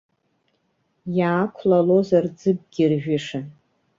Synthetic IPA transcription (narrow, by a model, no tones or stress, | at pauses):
jaːkʷʰlalo̞zard͡zɨb̚ɡʲɪrʒᶣɪʂa